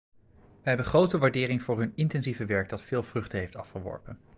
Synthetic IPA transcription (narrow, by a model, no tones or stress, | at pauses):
ʋəɦɛbənχrowtəʋaːɹdɪːɾɪŋvʊːɹɦɵnɪntɛnzivəʋɛɹɡ̚dɑtfɪːlˠvrʏχtəɦejftɑfχəʋɔ̰ɹpən